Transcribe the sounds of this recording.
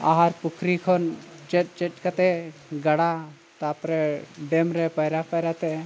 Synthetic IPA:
a̰ɦaɾpukʰɾikʰɔnt͡ʃɛt̚t͡ʃɛʈ̚kat̪ɛɡaɽa | t̪apɾɛɖɛmɾɛpəjɾapəjɾat̪ɛ

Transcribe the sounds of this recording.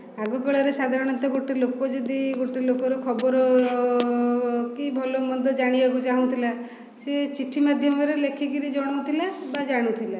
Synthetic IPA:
aɡɔkɔɭaɾesad̪ʱaɾɔɽ̃ɔnt̪ɔɡoʈelokɔd͡ʒed̪iɡoʈelokɔɾekʰɔbɔɾɔ | kibʱɔlomɔd̪ʱɔd͡ʒaɽ̃ibɔɡud͡ʒaɦũnt̪ʰila | set͡ʃiʈʰimad̪ʱjɔmɔɾelekʰiɡiɾid͡ʒɔɽ̃unt̪ʰilabad͡ʒaɽ̃ut̪ʰila

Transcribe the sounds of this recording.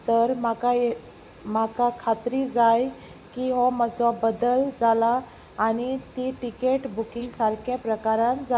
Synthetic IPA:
t̪əɾmaka | makakʰat̪ɾid͡zaj | kiɦɔmət͡sɔbəd̪əld͡zalaː | ɽ̃it̪iʈikeʈbukiŋɡsaɾkʰjapɾəkaɾãnd͡za

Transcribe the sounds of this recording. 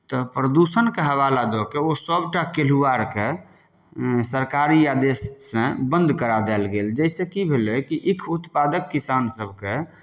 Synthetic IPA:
t̪ɔpɾəd̪usənkeɦəβalad̪ɔkeosəbʈakeluaɾke | səɾkaɾiad̪esːə̃bə̃nd̪kəɾad̪ɛlɡeld͡ʒɛɪsẽkibʱelekiʔikʰut̪pad̪əkːisansəbʱke

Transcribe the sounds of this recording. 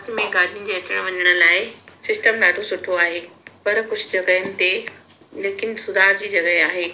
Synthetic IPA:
t̪mẽɡaːɾʱijʊn̆d͡ʑeːɐt͡ɕəɽ̃ʋɐɲəɽ̃ʊ̆laːɪsɪsʈəmɗaːɖʰʱosʊʈʰoaːɦeːpɐɾkʊd͡ʑʱʊ̆d͡ʑɐɡəʊnɪ̆t̪e | leːkɪnsʊd̪ʱaːɦd͡ʑiːd͡ʑɐɡəeaːɦeː

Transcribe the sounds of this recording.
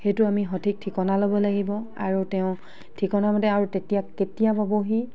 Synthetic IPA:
xejtʊamiɦotʰik̚tʰikɔnalobɔlaɡibɔa̰ɹutɛʊ̃ | tʰikɔnamɔtɛaɹutetijakkːetijababoɦi

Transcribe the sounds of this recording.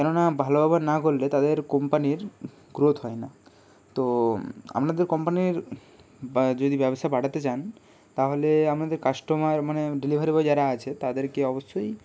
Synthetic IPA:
kɛnonabʱalobabaɾnakolːet̪ad̪eɾkompaniɾ | ɡɾot̪ɦɔena | t̪oa̰mnad̪eɾkɔmpaniɾ | d͡ʑod̪ibɛbost̪ʰabaɽat̪et͡ɕan | t̪aɦoleamnad̪eɾkaʃʈomaɾmaneɖilibʱaɾibɔd͡ʑaɾaat͡ɕʰet̪ad̪eɾkeɔboʃːoj

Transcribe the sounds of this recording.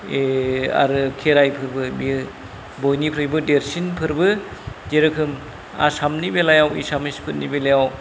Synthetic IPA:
ea̰ɾɯkʰeɾajpʰɯɾbɯmi | bojnipʰɾɯjbɯdeɾsinpʰɯɾbɯd͡ʒeɾɯkʰɯm | a̰samnibelajawḭsamispʰɯt̚nibelajaw

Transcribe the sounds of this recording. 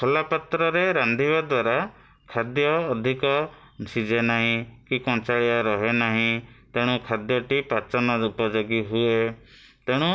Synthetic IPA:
kʰɔlapɔt̪ɾɔɾeɾand̪ʱibad̪waɾa | kʰad̪jɔːd̪ʱikɔ | sid͡ʒʱenaɦĩkikɔ̃nt͡ʃaɭiaɾɔɦenaɦĩt̪eɽ̃ũkʰad̪jɔʈipat͡ʃɔnɔupɔd͡ʒoɡiɦue | t̪eɽ̃ũ

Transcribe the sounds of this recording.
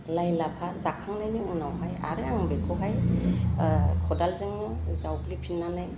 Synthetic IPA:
lajlapʰazakʰaŋnajniuŋnawɦaja̰ɾɯaŋbekʰɔɦaj | kʰɔdalzɯŋnɯzawklipʰinːanaj

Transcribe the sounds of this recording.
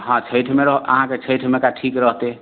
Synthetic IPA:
ɦãt͡ʃʰəjʈʰmeɾəɦə̰ɦãket͡ʃʰəjʈʰmekaʈʰikɾəɦt̪e

